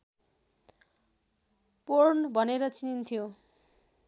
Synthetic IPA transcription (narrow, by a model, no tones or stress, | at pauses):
pornbʱʌneɾʌt͡sinint̪ʰijo